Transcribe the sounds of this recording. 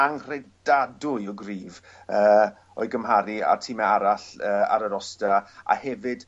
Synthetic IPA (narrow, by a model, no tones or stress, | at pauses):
aŋr̥ɛd̥adʊjɔɡriːv | əː | ɔ̰ɨɡəmɦaɾia̰tʰimɛaɾaɬəːa̰ɾəɾɔstaa̰hɛvɨd̥